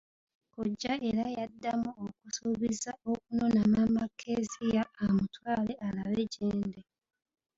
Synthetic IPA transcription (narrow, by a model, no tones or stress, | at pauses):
koɟːaʔe̞ɾajadːamuokusuβizao̞k̚unonanamakʰːezijaːmutwaːleʔalaβeɟeːnde